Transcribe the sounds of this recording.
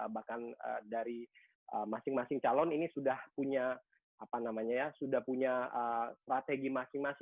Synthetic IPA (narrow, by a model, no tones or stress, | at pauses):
bahkanə̰daɾi | ʔəmasɪŋmasɪŋt͡ʃalɔninisudahpuɲa | apanamaɲajasudahpuɲaəst̪ɾat̪eɡimasɪŋmasɪ